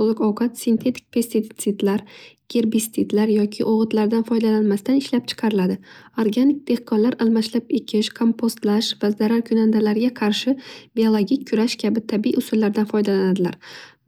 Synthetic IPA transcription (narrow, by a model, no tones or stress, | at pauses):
t̪olˠɪkɒwqʰɑt̪sint̪ʰe̞t̪ʰɪ̥k̚ʲpʰe̞ɾst̪it̪t̪sɪd̪laɾɡ̥ʲe̞ɾbist̪ʰɪd̪laɾjɒkʲʰɪʔoʁɨt̪laɾd̪anfɒjd̪alanmast̪anɪʃlap̚t͡ʃʰɨ̥qʰɑɾɪlad̪ɪoɾɡanɪk̚ʲd̪̥e̞hqʰɒnlaɾʔalˠmaʃlapekʲʰɪʃkʰo̞mpʰost̪laʃvazaɾaɾkʲʰʊnand̪alaɾɡʲaqʰɑɾʃɪbiolˠoɡʲikʲʰːʊɾaʃkʲʰabɪt̪ʰabiḭʊsʊlːaɾd̪anfɒjd̪alanad̪ɪla̰ɾ